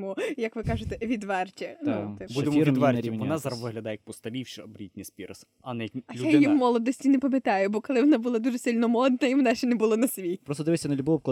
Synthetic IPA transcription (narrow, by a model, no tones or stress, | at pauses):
mʊjɐkʋɪkɑʒɪt̪ɛʋʲid̪ʋɛrt͡ʃʲinut̪ɪbbud̪emiʋʲid̪ʋɛrɾʲiɔnazɐɾʋɪɦlʲɐd̪ajɐk̚pɔst̪ɐlʲiwʃɛbɾʲitʲnʲisʲpʲiɾɐs | ɐnɛɐlʲudjajimɔlˠɔd̪ɔsʲtʲinɛpɐmʲet̪ɑjʊbɔkɔlˠɪʋɔnabulˠad̪uʒɛsɪlʲnɔmɔd̪̚nɐiʋɔnaʃt͡ʃɛnɛbʊlˠɔnɐsʲʋʲipɾɔst̪ɔd̪ɪʋɪsʲɐnɐlʲbɔʋpklˠ